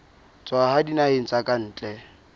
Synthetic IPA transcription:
t͡sʼwahadinaen̩t͡sʼakʼan̩ːt͡ɬʼɛ

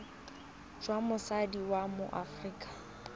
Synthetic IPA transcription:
d͡ʒwamʊsadiwamʊʔafriːkʼḁ

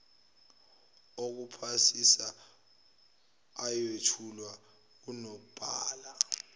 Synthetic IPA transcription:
ok̬upʰasisa | jwetʰulwa | k̬unok̬ub̥ʱaːla

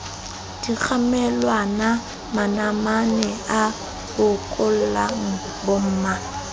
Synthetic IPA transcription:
d̥ik͡xʰamɛlwana | manamanɛa | bʊkʼʊl̩laŋ̩ | bʊm̩ːma

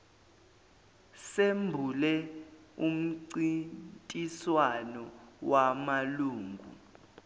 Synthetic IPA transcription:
sembʱulɛum̩ǀitʼiswanɔwamaluːŋɡʱṵ

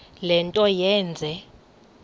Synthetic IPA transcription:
lɛntʼɔjɛːnd͡zʱɛ

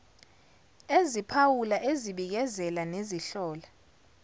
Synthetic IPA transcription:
ezipʰawulaʔeziɓik̬ɛzɛlaneziɬɔːla

